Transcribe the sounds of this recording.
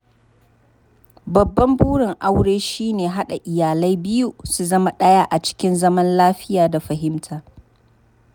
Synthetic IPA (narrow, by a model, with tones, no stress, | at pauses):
bɐ˨bːɐ˦mbuː˦ɽɪ˨ŋʔa˦wɽeː˦ʃiː˦neː˨ɦa˦ɗa˨ʔɪ˨jaː˨lɐ˦jbɪ˦ju˦su˨zɐ˦ma˨ɗɐ˦jaː˦ʔa˨t͡ʃɪ̥˦kʲɪ˦nzɐ˦mɐ˦nlaː˦ɸɪ˦jaː˨da˨ɸɐ˨ɦɪ˦mtʰaː˨